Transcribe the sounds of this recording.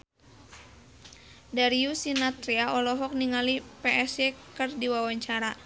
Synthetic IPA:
daɾiusinat̪ɾiaɔlɔɦɔk̚niŋalipɛʔɛsɛkɨrdiwawaɲt͡ʃaɾa

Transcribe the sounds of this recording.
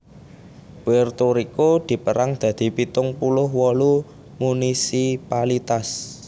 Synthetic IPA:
b̥ɛrt̪oɾikod̪̥i̤pəɾaŋd̪̥ä̤d̪̥i̤pit̪ʊŋpulʊhwɔlu | munisipalit̪as

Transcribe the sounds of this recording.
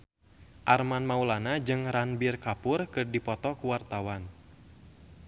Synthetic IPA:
ʔarmanmaulanad͡ʒɨŋɾanbirkapʊrkɨrdipɔt̪ɔkuwart̪awan

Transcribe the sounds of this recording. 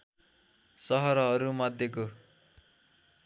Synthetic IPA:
sʌɦʌɾʌɦʌɾumʌd̪ʱːjeko

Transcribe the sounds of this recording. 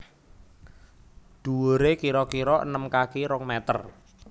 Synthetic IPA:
d̪̥uwoɾekiɾɔkiɾɔʔə̰nəmkakiɾɔŋmɛt̪ər

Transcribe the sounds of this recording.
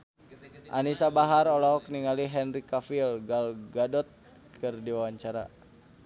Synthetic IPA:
ʔa̰nisabaɦaɾɔlɔɔk̚niŋaliɦɛnrikafilɡalɡadɔt̪̚ | kʰɨrdiwawaɲt͡ʃaɾa

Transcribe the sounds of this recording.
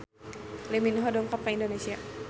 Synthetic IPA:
leminɦɔdɔŋkap̚kaindonesia

